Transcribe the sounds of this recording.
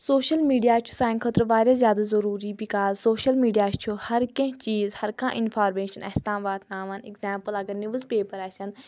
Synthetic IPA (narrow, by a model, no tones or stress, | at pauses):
soːʃɐlmiːɖijaːt͡ʃʰu̥saːjnkʰɐt̪ɾʋaːɾʲjaːzʲjaːd̪azɐɾuːɾiːbikaːlsoːʃɐlmiːɖijaːt͡ʃt͡ʃʰuhɐɾkɐ̃ɦt͡ʃiːzhɐɾkʰã̰ːʔɪnfʰaːɾmeːʃɐnɐ̰hst̪ãːʋaːt̪naːʋɐnekzaːmpəlɐɡɐɾniʋəzpeːpəɾaːsʲɐn